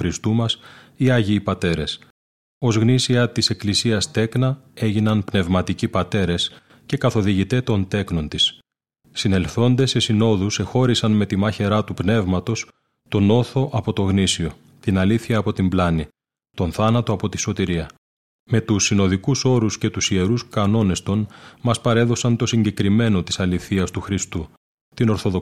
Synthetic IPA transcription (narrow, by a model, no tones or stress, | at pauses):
ɾist̪umɐs | iɐʝiːpɐt̪e̞ɾe̞s | o̞zɣnisiɐt̪ise̞klisiɐst̪e̞knɐe̞ʝinɐnpne̞vmɐt̪icipɐt̪e̞ɾe̞s | ce̞kɐθo̞ðiʝit̪e̞t̪o̞nt̪e̞kno̞nt̪isː | ine̞lθo̞nd̪e̞se̞sino̞ðuse̞xo̞ɾisɐnme̞t̪imɐçe̞ɾɐt̪upne̞vmɐt̪o̞s | t̪o̞no̞θo̞ʔɐpo̞t̪o̞ɣnisio̞ | t̪inɐliθçɐːpo̞t̪imblɐni | t̪o̞nθɐnɐt̪o̞ɐpo̞t̪i̥so̞t̪iɾiɐ | me̞t̪usːino̞ðikuso̞ɾusce̞t̪usie̞ɾuskɐno̞ne̞st̪o̞nmɐspɐɾe̞ðo̞sɐnt̪o̞siɲɟe̞kɾime̞no̞t̪i̥sɐliθiɐst̪uxɾist̪u | t̪ino̞ɾθo̞ðo